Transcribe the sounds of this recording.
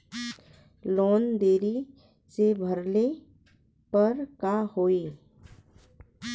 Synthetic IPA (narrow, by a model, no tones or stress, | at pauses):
loːnd̪eːɾi | sebʱəɾle | pəɾkahoːiː